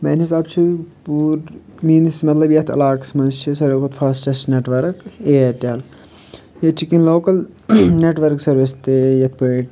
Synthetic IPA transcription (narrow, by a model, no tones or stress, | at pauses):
meːnɦisaːb̚t͡ʃʰipuːɾ | miːnsmɐt̪lɐbjɐt̪ʰɐ̰laːksmɐnzt͡ʃʰisɐɾoːkʰɐt̪fʰɐst͡ʃɐst͡ʃneʈʋɐɾkeːet̪ʲaːl | jɐt̪̚t͡ʃʰikinloːkɐl | neːʈʋɐɾksɐɾʋist̪eːjɐt̪ʰbeːʈ